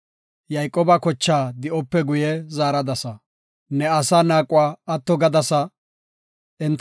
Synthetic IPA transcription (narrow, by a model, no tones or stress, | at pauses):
jɐjkʼːoːbɐkɔt͡ʃːaːd̪ɪʔɔpːɛɡʊjɛzaːɾɐd̪ɐsɐ | nɛɐsaːnaːkʼːʊwaːɐt̪ːɔɡɐd̪ɐsɐ | ʔɛnt̪